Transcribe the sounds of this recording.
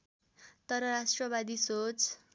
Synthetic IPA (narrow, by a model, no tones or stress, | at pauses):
t̪ʌɾʌɾasʈrʌβad̪isot͡s